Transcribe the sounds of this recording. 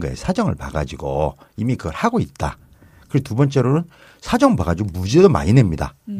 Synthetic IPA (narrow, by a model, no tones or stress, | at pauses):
ɡa̰esʰad͡ʑʌŋɯ̰ɭpaɡad͡ʑiɡo | imikɯɡʌɭhaɡoit̚t͈a̰ | kɯɾetubʌnt͡ɕ͈e̞ɾonɯn | sʰad͡ʑʌŋɭpaɡad͡ʑiɡomud͡ʑedoma̰ɲine̞mɲida̰